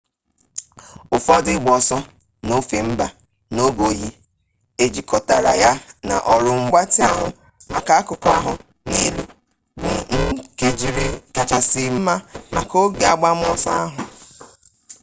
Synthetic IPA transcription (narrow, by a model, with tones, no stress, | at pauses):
ʊ˨fɔ˦dɪ˦ɡ͡bɔ˨sɔ˦ | no˦fe˨m̩˦ba˨ | no˦bo˨ji˦ | e˨d͡ʒi˨kɔ˦ta˨ɾa̰˨ja˦na̰˨ʔɔ˨ɾʊ˨ŋ͡m̩˨ɡ͡ba˦tɪ˦a˦ɦʊ̰˨ | a̰˨ka˦a˦kʊ˨ka̰˦ɦʊ˨ | ne˦lṵ˨ | bʊ˨ŋ̩˦ke˨d͡ʒi˨ɾe˨ka˨t͡ʃa˨sɪ˨m̩˦ma˦ma̰˨ko˦ɡe˨a˨ɡ͡ba˦m̩˦ɔ˦sa̰˦a˦ɦʊ˨